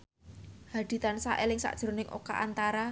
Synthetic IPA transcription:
had̪̥i̤t̪ansaʔɛlɪŋsa̰ʔd̥ʒ̥ɾo̤nɪŋʔo̰ka̰ʔa̰nt̪aɾa

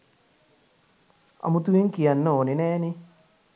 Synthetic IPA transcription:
ɐ̰mut̪ueŋkijanːɐoːninɛːnɪ

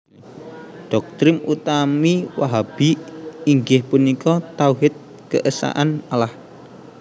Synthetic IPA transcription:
ɖ̥ɔk̚t̪ɾɪmut̪amiwaɦab̥iiŋɡɪhpunikɔt̪auɦɪt̪̚ | kəʔəsa̰ʔanalah

